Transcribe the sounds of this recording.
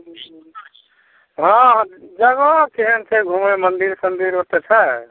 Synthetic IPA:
ɦãd͡ʒəɡɔkeɦenseɡʱumemənd̪iɾsənd̪iɾot̪et͡ʃʰɛ

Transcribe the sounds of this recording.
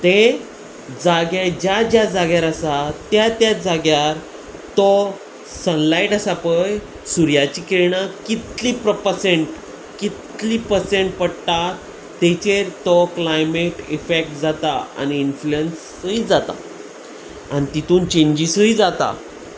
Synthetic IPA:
t̪ẽ | d͡zaɡjad͡ʑjad͡ʑjad͡zaɡjaɾəsat̪jat̪jad͡zaɡjaɾ | t̪ɔ | sənlaiʈəsapəj | suɾjat͡ɕikeɽ̃akit̪lipɾəpəseɳʈ | kit̪liːpəseɳʈ̚pəɽt̪at̪ː | et͡ɕeɾt̪ɔklajmeʈifek̚ʈd͡zat̪aa̰niːnfluens | əid͡zat̪a̰ | a̰nit̪it̪uːnt͡ɕẽɲd͡ʑisəjd͡zat̪a̰

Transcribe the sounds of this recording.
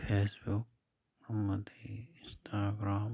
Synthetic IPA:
pʰeːsbʊk̚ | ɐmːɐt̪iɪ̃nsʈʰaːɡɾaːm

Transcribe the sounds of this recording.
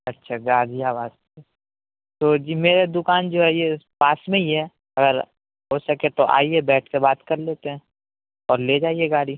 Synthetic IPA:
ɐtːʃʰaɡaːɽijaʋaːst̪ee | t̪oːd͡ʒiːmeːɾed̪ʊkaːnd͡ʒoːɦɛjepaːsmẽiɦɛ | ɐɡəɾ | ɦoːsɐket̪oʔa̰ːiɛbɛːʈʰkebaːt̪kɐɾleːt̪eɦɛ̃ː | ɔːɾled͡ʒaːiɛɡaːɽi

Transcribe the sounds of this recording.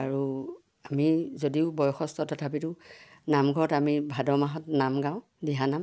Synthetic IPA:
aɹu | amizodiʊbɔjɔxɔstɔtʰɔtʰapitʊ̃namɡʱɔɹɔtamibʱadɔmaɦɔtnamɡãʊ̃ | diɦanam

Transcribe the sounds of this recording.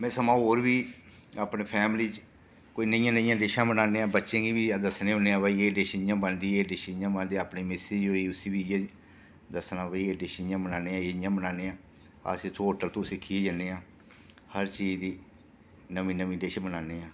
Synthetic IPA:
mɛ̃ːsəmãːɦoːɾʋiː | aːpneːpʰɛːmliːt͡ʃ | koːiːnəjãːnəɪjãːɖeːʃãːbənaːneːãːbətːʃẽːɡiːʋiːaːd̪əsnẽːʊneːãːbəieːɖeːʃijãːbənd̪iːeːɖeːʃjãːbənd̪eːaːpniːmɪsɪd͡ʒɦoːiːʊsiːbiːje | d̪əsnãːbəiːeːɖeːʃjãːbənaːneːãːɪjãːbənaːneːãː | a̰siːt̪ʰoːoːʈəɾt̪oũsɪkʰːiːd͡ʒəneːãː | həɾt͡ʃiːd͡ʒd̪iː | nəʋĩːnəʋĩːɖeːʃãːbənaːneːãː

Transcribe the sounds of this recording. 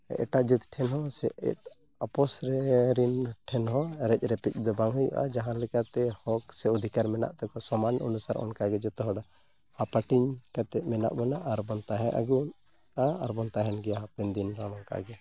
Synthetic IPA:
ʔɛ̰ʈaʔd͡ʒit̪ʈʰɛnɦɔsɛʔɛ̰t̚ | apɔsɾɛɾinʈʰɛnɦɔɾɛc̚ˀɾɛpic̚ˀd̪ɔbaŋɦujṵʔa̰d͡ʒaɦãlɛkat̪ɛhɔksɛɔd̪ʱikaɾmɛna̰ʔt̪ɛkɔsɔmanɔ̰nusaɾɔ̰nkaɡɛd͡ʒɔt̪ɔɦɔɖa | hapaʈiɲkat̪ɛʔ̪̚mɛna̰ʔbɔnaʔaɾbɔnt̪aɦɛʔa̰ɡun | aːɾbɔnt̪aɦɛnɡɛaɦapind̪inɾaɽ̃ɔŋka̰ʔɡɛ

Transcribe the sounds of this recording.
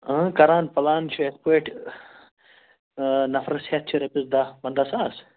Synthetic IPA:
ə̃kɐɾaːnpɐlaːnt͡ʃʰuespeʈ | nɐfɾɐshet̪̚t͡ʃʰiɾɐpizd̪abɐnd̪asaːs

